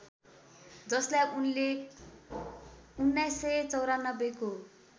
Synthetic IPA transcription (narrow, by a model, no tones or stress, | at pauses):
d͡zʌslajunle | unːajsːʌjt͡sʌwɾanʌbeko